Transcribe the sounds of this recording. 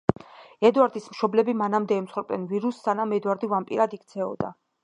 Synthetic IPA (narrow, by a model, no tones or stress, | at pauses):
ɛd̪waɾd̪ismʃɔblɛbimanamd̪ɛːmt̪sχwɛɾp̚ʼd̪ɛnviɾusːanamɛd̪waɾd̪ivampʼiɾad̪ik̚ʰt̪sʰɛɔ̰d̪a̰